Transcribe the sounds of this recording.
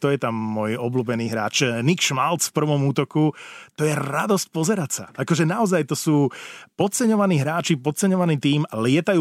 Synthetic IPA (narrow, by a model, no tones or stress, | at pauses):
t̪ɔjɛt̪amːʊɔjɔbluːbɛniːɦɾa̰ːt͡ʃnikʃmalt͡sfpr̩ʋɔmuːt̪ɔkut̪ɔjɛɾad̪ɔsc̚pɔzɛɾacsa̰akɔʒɛnaɔzajt̪ɔsuːpɔt̪̚t͡sɛɲɔʋaniːɦɾaːt͡ʃipɔt̪̚t͡sɛɲɔʋaniːt̪iːmalɪɛt̪ajuː